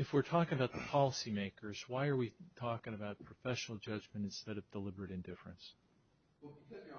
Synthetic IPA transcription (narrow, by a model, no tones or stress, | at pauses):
ɨfwɪɹtʰɔkɪ̃ŋɨbaʊt̪̚ðəpʰɑlˠəsimeɪkʰə˞z̥waɪə˞witʰɔkɪ̃ŋəbaʊt̚pʰɹ̥ɨfɛʃnl̩ˠd͡ʒʌd͡ʒmɨ̃ñtɨ̃nstɛɾʌvdəlɪbə˞ɨɾɨ̃ndɪfɹɨ̰̃ns